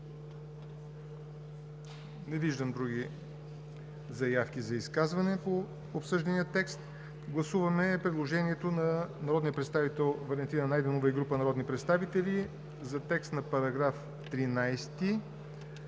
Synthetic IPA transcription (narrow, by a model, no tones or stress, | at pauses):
nɛviʒd̪əmd̪ɾuɡʲi | zɐjafkʲizɐiskazvɐnɛpo | opsɤʒd̪ɐniət̪ɛkst̪ | ɡlˠɐsuvɐmɛpɾɛd̪lˠoʒɛniɛt̪onɐnɐɾɔd̪nijəpɾɛt̪st̪avit̪ɛlˠvɐlɛnt̪inənajd̪ɛnovəiɡɾupənɐɾɔd̪nipɾɛt̪st̪avit̪ɛlʲi | zɐt̪ɛkst̪nɐpɐɾɐɡɾaf | t̪ɾinajst̪i